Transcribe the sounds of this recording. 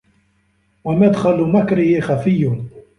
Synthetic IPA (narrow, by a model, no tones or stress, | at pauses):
wamad̪xalmakɾɪhɪxafɪjːʊ